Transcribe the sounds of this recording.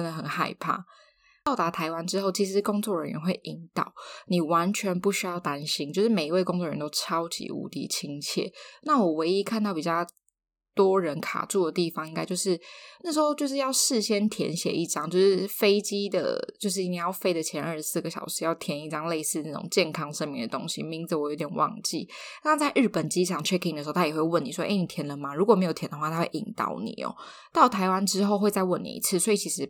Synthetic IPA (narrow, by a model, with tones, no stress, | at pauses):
ə˥nd̪ə˨˩xə˨˩nxa˥˧ɪpʰa̰˥˩ | ɑ˥˩ʊa˧˥t̪ʰa˧ɪwa˦nʈ͡ʂɻ̩˥˦xo˥˩ʊt͡ɕʰi˧˥ʂ̬ɻ̩˧˥kʊ˥ŋt͡swɔ˥˩ɻə˧˦nɥɛ̰˧˥nxwe˥˩ɪʔi˧˥ŋt̪ɑ̰˥˩ʊni˨˩wa˧˦nt͡ɕʰɥɛ˧˦npu˥˩ɕy˥jɑ˥˩ʊt̪a˦nɕi˥˦ŋt͡ɕjo˥˧ʊʂɻ̩˥˩me˨˩ɪi˧˥we˥˩ɪkʊ˥ŋt͡swɔ˥˩ə̰˧˦nt̪o˥ʊʈ͡ʂʰɑ˦ʊt͡ɕḭ˧˥ṵ˧˥t̪ḭ˧˥t͡ɕʰi˦ŋt͡ɕʰjɛ̰˥˩na˥˩wɔ˨˩we˧˥ɪi˧˥kʰa˥˧nt̪ɑ˥˩ʊpi˨˩t͡ɕjɑ˥˩ʊ | t̪wɔ˥ɻə˧˦nkʰa̰˨˩ʈ͡ʂu˥˩d̪ə˩t̪i˥˩fɑ˧˦ŋi˥ŋka˥ɪt͡ɕjo˥˧ʊʂɻ̩˥˩na˥˩ʂɻ̩˧˥xo˥˧ʊt͡ɕjo˥˧ʊʂɻ̩˥˧jɑ˥˧ʊʂɻ̩˥˧ɕjɛ˥nt̪ʰjɛ̰˧˦nɕjɛ̰˨˥i˥˩ʈ͡ʂɑ˥ŋt͡ɕjo˥˧ʊʂɻ̩˥˩fe˥ɪt͡ɕi˥d̪ə̰˨˩t͡ɕjo˥˧ʊʂ̬ɻ̩˥˩i˥˩ɛ˨˩jɑ˥˩ʊfe˥ɪdə˨t͡ɕʰjɛ˧˥nʔə˞˥˧˩ʂsɹ̩˥˩ɡə˩ɕjɑ̰˨˩ʊʂɻ̩˧˥˦jɑ˥˩ʊt̪ʰjɛ˧˥ni˥˩ʈ͡ʂɑ˥ŋle˥˧ɪsɹ̩˥˧ə˩na˥˩ʈ͡ʂʊ̰˨˩ŋt͡ɕjɛ˥˨nkʰɑ˥ŋʂə˥nmĩ˧ŋd̪ə˩t̪o̰˥ŋɕḭ˧mi˧˥ŋd͡z̩˨˩wɔ˨˩jo˧˥t̪ʲjɛ˨˩nwɑ̰˥˧ŋt͡ɕḭ˥˨˩na˥˧t͡sa˥˧ɪɻɻ̩˥˩pə˨˩nt͡ɕi˥ʂʰɑ˨˩ŋt͡ɕʰɥɛ˥˧ki˥˩ŋd̪ə˩˧˥tʰa˥˧jwe˥˧ɪwə˥˩ni˨˩ʂwɔ˥ʔḛ˧˥ɪni˨˩t̪ʰjɛ˧˦nlə˧˦nma˦ɻu˧˥kwɔ˨˩me˧˥ɪjo˨˩ʊjɛ˧˦nd̪wa˥˩a˥xwe˥˩ʔḭ˨˩ŋt̪ɑ̰˥˨˩ʊnḭ˨˩ɔ̰˨˩ | t̪ɑ˥˩ʊt̪ʰa˧˥ɪwa˦nʈ͡ʂɻ̩˥xo˥˧ʊxwe˥˧ɪt͡sa˥˧ɪwə˥˩nḭ˨˩ḭ˥t͡sʰɹ̩˥˩swɔ˧˥i˨˩t͡ɕʰi˧˥ʂɻ̩˧˥